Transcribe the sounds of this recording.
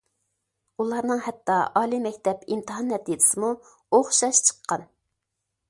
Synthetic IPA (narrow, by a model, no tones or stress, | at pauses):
ulˠɑɾnɨŋhɛt̪ːɑʔɑːlˠimɛkʲt̪ʰɛpimt̪ʰɨɦɑnːɛt̪id̪ɪ̥sɨmu | oχʃɑʃt͡ʃʰə̥qʰːɑn